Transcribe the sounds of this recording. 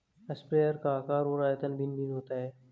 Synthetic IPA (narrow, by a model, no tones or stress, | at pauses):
ɐspɾeːjəɾkaːkaːɾoːɾaːjət̪ənbɪnbʱinɦoːt̪aɦɛː